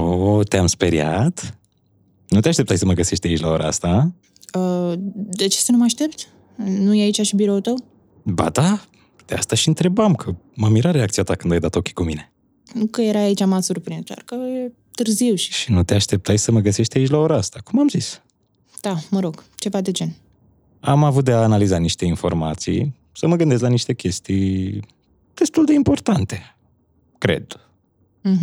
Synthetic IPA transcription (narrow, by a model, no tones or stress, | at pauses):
ot̪eamspe̞ɾja̰t̪ | nut̪eaʃt̪e̞pt̪ajʲsəməɡəse̞ʃt̪ʲait͡ʃlao̞ɾʔa̰a̰st̪a | əd̪et͡ʃesənumaʃt̪e̞pt̪ | nujeait͡ʃaʃibiɾo̞ut̪əw | ba̰d̪a | d̪̥east̪aʃiɨnt̪ɾe̞bamkʰəməmiɾaɾeak̚t̪sijat̪akɨnd̪ajd̪at̪o̞kʲi̥kumine̞ | kəjeɾaːit͡ʃamat̪surpɾinzd̪a̰rkəje | t̪ɨrziwʃi̥ʃinut̪eaʃt̪e̞p̚t̪ajsəməɡəse̞ʃt̪ʲait͡ʃlao̞ɾaast̪akumamzis | d̪̥aməɾo̞ɡt͡ʃe̞vad̪e̞d͡ʒe̞n | amavut̪̚d̪eaːnalizaniʃt̪e̞info̞̰rmat̪sḭj | səməɡɨnd̪es̬laniʃt̪e̞kʲe̞st̪ij | d̪̥e̞st̪uld̪e̞impo̞rt̪ant̪e̞ | kɾe̞̰d̪̥̩